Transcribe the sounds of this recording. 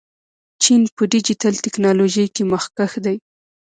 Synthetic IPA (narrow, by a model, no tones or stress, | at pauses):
t͡ʃinpəɖid͡ʒitalt̪ɪknɑloʒəjkeməxkaxd̪aj